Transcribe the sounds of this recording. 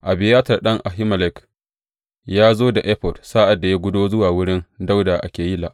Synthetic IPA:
ʔa˨bɪ˨jaː˦tɐ˨rɗɐ˦ŋʔa˨ɦɪ˦mɐ˨lɛ˨k | jaː˦zoː˦da˨ʔɛ˦ɸɔ˨dsaː˦ʔa˨dːa˨ja˦ɡʷʊ˦doː˦zʊ˦waː˨wʊ˦ɽɪ˦nda˦wda˨ʔa˨kʲeː˨ji˦la̰˨ʔ

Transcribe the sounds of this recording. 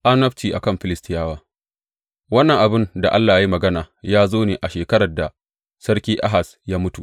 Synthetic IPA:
ʔa˦nɐ˦ɸtiː˨ʔa̰˨kɐ˦˨mɸɪ˨lɪ˦stɪ˦jaː˦waː˦ | wɐ˦nːɐ˨ŋʔa˨bɪ˦nda˨ʔa˦lːaː˨ja˦i˦mɐ˨ɡɐ˦naː˨jaː˦zoː˦neː˨ʔa˨ʃeː˨kɐ˦ɾɐ˨da˨ | sɐ˦ɽkʲiː˦ʔa˦ɦa˨s | jaː˦mʊ˦tu˨ʔ

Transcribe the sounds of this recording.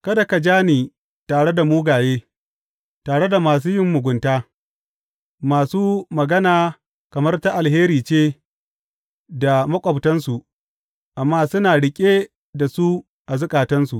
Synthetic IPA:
kɐ˦da˨ka˨d͡ʒaː˦niː˨ | taː˨ɽe˦da˨muː˦ɡaː˨jeː˦ | taː˨ɽe˦da˨maː˨s̬uː˦jɪ˦mːʊ˨ɡʷʊ˨ntaː˦ | maː˨suː˦mɐ˨ɡɐ˦naː˨ | kɐ˨mɐ˦rta˦ʔa˨lɦeː˦ɾiː˨t͡ʃeː˦ | da˨mɐ˦kʷʼɐ˨btɐ˦nsu˨ʔ | ʔa˨mːaː˦sʊ˦naː˨ɽɪ˨kʲʼeː˦ | da˨su˦ | ʔa˨zʊ˦kʼaː˨tɐ˦nsu˨ʔ

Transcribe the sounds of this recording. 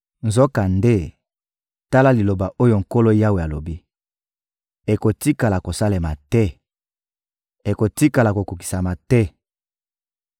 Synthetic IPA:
nzo˦ka˨nde˦ | ta˦la˦li˨lo˨ba˨ʔo˦jo˦˨ŋ̩˨ko˦lo˦ja˦we˨ja˨lo˨bi˦ | e˨ko˨ti˦ka˨la˨ko˨sa˦le˨ma˨tɛ˦ | e˨ko˨ti˦ka˨la˨ko˨ku˨ki̥˨sa˨ma˨tɛ˦

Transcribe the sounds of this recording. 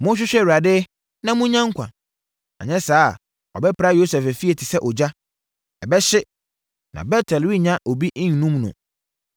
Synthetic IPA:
mʊ̃˦ɕ̬ᶣɪ˦ɕᶣɛ˦˨wu˨ɾa˨dɪ˦ | nã˦mũ˦ɲã˦ŋ˦kʷʰã̰˨ | a̰˨ɲɛ̃˦saː˦˨ | ɔ̰˨bɛ˦pɾa˦jo˦sɛ˨fæ˨fi˦e˨tʰi˨sɛ˦ʔɔ˨d͡ʑa˦ | ɛ˨bɛ˦ɕɪ˦ | nã̰˨bɛ˦tʰɛ˨lwi˦ɲã˦ʔɔ˨bi˦ʔĩ˦ɲ˨nũ˦mnʊ̰̃˨

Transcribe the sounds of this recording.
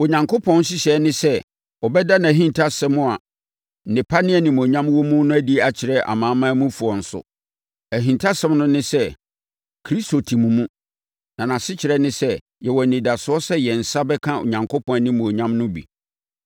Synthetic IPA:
o˨ɲã˨ŋkʰo˦pʰɔ̃˦n˦s̬ɪ˦ɕɛ˨˦nɪ̃˦sɛ˦ | ɔ˨bɛ˦da˦nã˨æ˨ɦĩ˦ntʰa˦sɛ˦mʊ̃˦a˨ | nɪ̃˨pʰa˦nɪ̃˦ɛ˨nɪ̃˨m˨ɲã˦mwɔ˦mũ˦nʊ̃˦æ˦di˦˨a˨t͡ɕʰɪ˨ɾɛ˦ʔa̰˨mãː˨˦mã˦mũ˦fu˨ɔ˨n̩˨sʊ̰˨ | æ˨ɦĩ˨ntʰa˦sɛ̃˦mnʊ̃˦nɪ̃˦sɛ˦ | kʰɾi˦sto˨tʰĩ˨mũ˨mũ˦ | nã˨nã˨sɪ˦t͡ɕʰɪ˨ɾɛ˦nɪ̃˦sɛ˦ | jɛ˨wɔ˨n̩˨nɪ̃˨da˨sʊ˨˦ɔ˦sɛ˦jɛ˨n̩˨sa˦bɛ˦kʰã˦o̰˨ɲã˨ŋkʰo˦pʰɔ̃˦nɪ̃˦mũ˨o˨ɲã˦mnʊ̃˦bḭ˨

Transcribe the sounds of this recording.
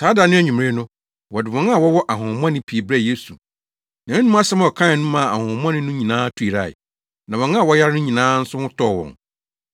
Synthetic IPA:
saː˨˦da˨nɪ̃˦æ˦˨ɲᶣũ˨m˨ɾe˦nʊ̃˦ | wɔ˨dɪ˨wɔ̃˨n˦a˨wɔ˦wɔ˦ʔa˨ɦʊ̃˨m˦ã˦nɪ̃˦pʰi˨bɾɛ˦˨je˦su˨ | nã˨ɪ̃˦nũ˦a˦ɕɛ˦m˦ɔ˨kʰã˦˨nũ˦mã˨a̰˨hʊ̃˨m˦ã˦nɪ̃˦nʊ̃˦ɲĩ˨nãː˦tʰu˦i˨ɾa̰˨ɪ̰˨ | nã˨wɔ̃˨nã˦a˨wɔ˦ja˦ɾɪ˦nʊ̃˦ɲĩ˨nãː˦n̩˦sʊ˦hʊ̃˦tʰɔ˦˨wɔ̰̃˨ŋ

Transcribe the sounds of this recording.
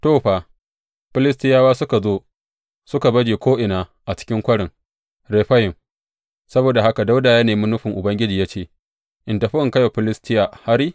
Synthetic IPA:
toː˦˨ɸa˨ | ɸɪ˦lɪ˦stɪ˦jaː˦waː˦sʊ˦ka˨zoː˦ | sʊ˦ka˨bɐ˦d͡ʒiː˨kʷoː˦ʔɪ˨naː˦ʔa˨t͡ʃɪ̥˦kʲɪ˦ŋkʷɐ˦ɽɪ˨ŋ | ɾe˨ɸɐ˦jɪ˨m | sɐ˦boː˨da˨ha˦ka˨da˦wdaː˨ja˦neː˨mʊ˦nʊ˦ɸɪ˨ŋʔʊ˨bɐ˦ŋɡʲɪ˦d͡ʒiː˨ja˦t͡ʃeː˨ | ʔɪ˨ntɐ˨ɸɪ˦ʔɪ˨ŋkɐ˦ja˨ɸɪ˦lɪ˦stɪ˦jaː˨ha˦ɾiː˦

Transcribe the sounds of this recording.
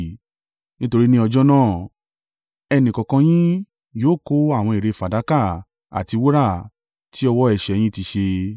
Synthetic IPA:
nĩ˦to˧ɾi˦nĩ˦ɔ˧d͡ʒɔ˦nãː˦˨ | ɛ˧nĩ˨kɔ̃˨kã˧j̃ĩ˦ | joː˦˨ko˦a˦˨w̃ɔ̃˧i˨ɾe˨˧˨fa˨da˨˦ka˦˨ | a̰˨ti˧wo˦ɾa˦˨ | tʰi˦ɔ˧wɔ˦ɛ˨ʃɛ˨˧j̃ĩ˦ti˧ʃe˧

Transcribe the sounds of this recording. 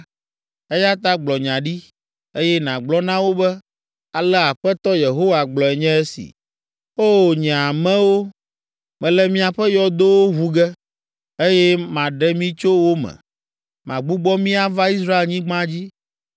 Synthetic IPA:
ɛ˦ja˦t̪a˦ɡ͡blɔ˨ɲã˨ɖi˦ | e˦jɛ˦nã˨ɡ͡blɔ˦nã˦wo˦bɛ˦ | a˨lɛ˦a˨ɸɛ˦t̪ɔ˦je˨ɦo˦wa˨ɡ͡blɔ˨ɛ˨ɲɛ̃˦ɛ˦sḭ˨ | o˦ɲɛ̃˨a˨mɛ̃˦wo˦ | mɛ̃˨lɛ˦mĩ˦a˨ɸɛ˦jɔ˦d̪o˦wo˦ɦu˦ɡɛ˦ | e˦jɛ˦mã˨ɖɛ˦mĩ˦t͡ʃo˦wo˦mɛ̰̃˨ | mã˨ɡ͡bu˦ɡ͡bɔ˦mĩ˦a˦va˦i˦s̬ɾa˦e˨lɲĩ˦ɡ͡bã˦d͡ʑi˦

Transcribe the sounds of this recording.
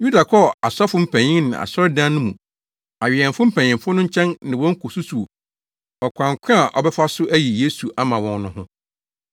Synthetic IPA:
ju˦da˨kʰɔ˦˨a˨sɔ˦fʊ˦m̩˦pʰæ̃˨ɲɪ̃˦nɪ̰̃˨a̰˨sɔ˦ɾdã˦nʊ̃˦mũ˨ | a˨ɥɪ˨ɛ˨nfʊ˦m̩˦pʰæ̃˨ɲ̃ɪ̃˨fʊ˦nʊ̃˦ɲ̩˦t͡ɕʰɛ̃˦nnɪ̃˨wɔ̃˦ŋ̩˦kʰʊ˨su˦su˨o˨ | ɔ˨kʷʰã˨ŋ˨kʰʷɪ̃˦a˨ʔɔ̰˨bɛ˦fa˦sʊ˦ʔæ˦ji˨je˦su˨ʔa˨mã˨wɔ̃˦n˦nʊ̃˦ɦʊ̃˦

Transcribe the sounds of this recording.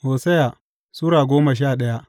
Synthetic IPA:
ʔoː˨sɐ˦ja˨ | suː˦ɾaː˨ɡʷoː˦ma˨ʃ̬aː˦˨ɗɐ˦ja˦ʔ

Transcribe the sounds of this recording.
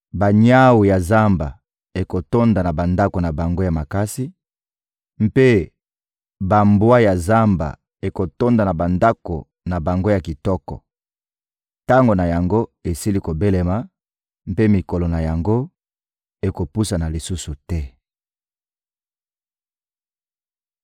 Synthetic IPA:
ba˨ɲa˦wu˨ja˨za˦mba̰˨ | e˨ko˨to˦nda˨na˨ba˨nda˦ko˨na˨ba˨ŋɡo˦ja˨ma˨ka˦si˦ | m˦pe˦ | ba˨mbwa˦ja˨za˦mba̰˨ | e˨ko˨to˦nda˨na˨ba˨nda˦ko˨ | na˨ba˨ŋɡo˦ja˨ki˨tɔ˦kɔ̰˨ | ta˦ŋɡo˨na˨ja˨ŋɡo˦e˨si˦li˦ko˨be˦le˨ma˨ | m˦pe˦mi˨ko˨lo˨na˨ja˨ŋɡo˦ | e˨ko˨pu˦sa˨na˨li˨su˦su˨tɛ˦

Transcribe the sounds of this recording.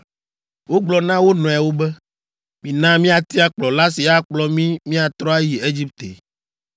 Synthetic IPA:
wo˦ɡ͡blɔ˨nã˦wo˦nɔ̃˨a˨wo˦bɛ˦ | mĩ˨nã˦mĩ˦a˨t̪i˦a˦k͡plɔ˨la˦si˨a˦k͡plɔ˦mĩ˦mĩ˦a˨t̪ɾɔ˦a˦ji˨e˦d͡ʑi˦p̚t̪ḛ˨

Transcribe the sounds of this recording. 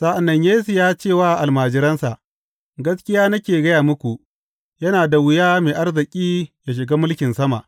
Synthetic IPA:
sa˦ʔa˨nːɐ˨ɲjaː˦s̬ɪ˨jaː˦t͡ʃeː˦˨waː˦ʔa˨lmaː˨d͡ʒɪ˦ɾɐ˦nsa˨ʔ | ɡɐ˦skʲɪ˦jaː˦nɐ˦kʲeː˨ɡɐ˦jaː˨mʊ˦kʷu˨ʔ | jɐ˦naː˨da˨wɪ˦jaː˦meː˨ʔa˦rzɪ˨kʲʼiː˦ja˨ʃ̬ɪ˨ɡaː˦mʊ˦lkʲɪ˨nsɐ˦ma̰˨ʔ

